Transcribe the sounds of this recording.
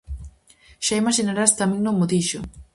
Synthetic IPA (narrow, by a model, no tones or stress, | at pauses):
ʃaimaʃinaɾast̪amẽŋnõŋmːʊðiʃʊ